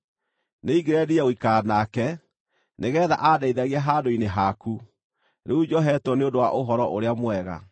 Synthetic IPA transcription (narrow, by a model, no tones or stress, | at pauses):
neiɡeɾɛdiaoikanakɛ | neɣɛːða̰ʔadaiðaɣeaɦaːdoineɦaku | ɾeud͡ʒɔɦɛtɔneondowa̰ʔoɦɔɾɔʔoɾeamwɛɣa̰